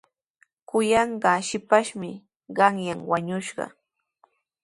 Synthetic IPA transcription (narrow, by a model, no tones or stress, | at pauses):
kʊjɑɴɢɑʃɪpaʃmɪ | ɢɑŋjaŋwaɲʊʃɢɑ̰